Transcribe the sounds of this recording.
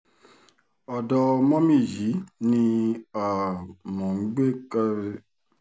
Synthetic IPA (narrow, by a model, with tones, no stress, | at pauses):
ɔ˨dɔ˧mɔ̃˦mĩ˦˨ji˨˦nĩ˧a˨mɔ̃˨ŋ͡m̩˦ɡ͡be˦ka˧ɾe˧